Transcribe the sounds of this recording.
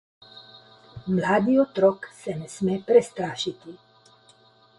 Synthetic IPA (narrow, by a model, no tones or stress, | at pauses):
mlaːd̪iɔt̪ɾɔksɛnɛsmɛpɾɛst̪ɾaːʃit̪i